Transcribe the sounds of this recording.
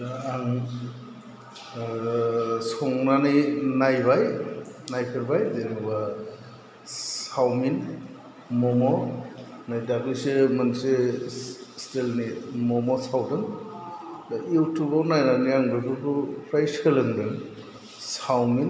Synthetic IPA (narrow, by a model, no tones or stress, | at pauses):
daaŋ | sɔŋnaninajbajnajkʰɯɾbajdeniba | sawmin | mɔmɔ | najdakisemanse | stelnimɔmɔsawdɯŋ | dajuwtubawnajnaniaŋdɯpʰupupʰɾajskɯlɯŋdɯŋ | sawmin